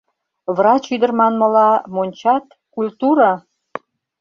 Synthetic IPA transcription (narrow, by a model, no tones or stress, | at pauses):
βrɑt͡ɕyd̪ərmɑnmə̆lɑmonʲt͡ɕɑt̪ | kulʲt̪uɾɑ